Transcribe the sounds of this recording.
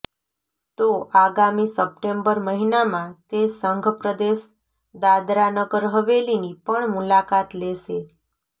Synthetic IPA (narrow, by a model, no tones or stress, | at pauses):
t̪oʔaɡamisəp̚ʈembəɾməɦinamãt̪esəŋɡʱpɾəd̪eʃ | d̪ad̪ɾanəɡəɾɦəʋelinipəɳmulakat̪leʃe